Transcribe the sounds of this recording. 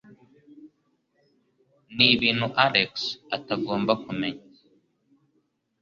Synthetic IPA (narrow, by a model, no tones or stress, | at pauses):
niβiːn̥huʔaɾeksataɡo̞ːmbakume̞ɲa